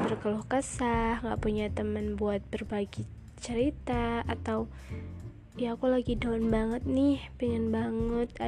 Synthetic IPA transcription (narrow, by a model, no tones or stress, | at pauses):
t̪ərkəlɔhkəsahŋɡa̰ʔpuɲat̪əmənbuat̪̚b̥ərbaɡi | t͡ʃəɾit̪aat̪aw | jakulaɡidanbaŋət̪̚nɪhpiŋənbaŋət̪̚a